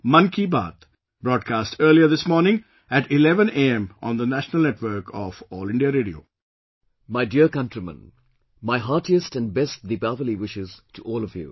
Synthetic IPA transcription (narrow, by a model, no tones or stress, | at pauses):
mʌ̃nkiba̰ːt̪ʰ | b̥ɾɔːɖ̚kaːsʈʰɜːliəd̪ɪsmɔːɾnɪ̃ŋ | æʈɪlɛʋə̃neɛ̃mɔ̰̃ːnd̪ənæʃənəlneʈʋəɾkʰɔfɔːlɪ̃ɳɖiaɾeːɖio̰ː | maɪdiəɾkʌ̃nʈɾimə̰̃n | maɪɦaːʈiəstæ̃nɖbɛst̚ðibavəliwɪʃɪz̥tʰuʔɔːlɔvjṵ